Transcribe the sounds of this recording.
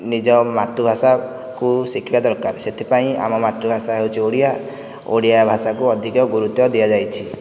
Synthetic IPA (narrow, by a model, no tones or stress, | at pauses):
nid͡ʒɔmat̪ːubʱasa | kusikʰibad̪ɔɾkaɾset̪ʰipaĩa̰mɔmat̪ːubʱasaɦewt͡ʃʰioɽija | oɽijabʱasakuɔd̪ʱikɔɡuɾut̪jɔd̪iad͡ʒajt͡ʃʰi